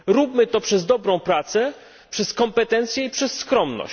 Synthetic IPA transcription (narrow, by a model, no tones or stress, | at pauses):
ɾupmɘt̪ɔpʂɛzd̪ɔbɾɔ̃w̃pɾat̪sɛ | pʂɛskɔmpɛt̪ɛnt̪sjɛipʂɛsːkɾɔmnɔ̰